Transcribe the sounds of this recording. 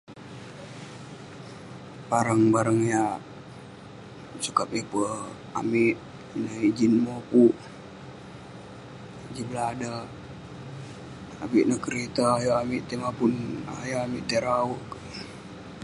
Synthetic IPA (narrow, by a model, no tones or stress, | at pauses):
baɾəŋbaɾəŋja | sukap̚ipə | a̰miʔ | nəid͡ʒinmopuʔ | d͡ʒiblada | apiʔnəkəɾet̪aːjaamiʔt̪emapunajaamiʔt̪eɾauʔk